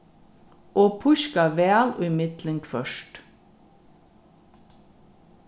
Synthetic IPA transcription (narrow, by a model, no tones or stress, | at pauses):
ʔoːpʰʊʃkɑʋæːlʉmɪt̪lɪŋɡfœʃʈ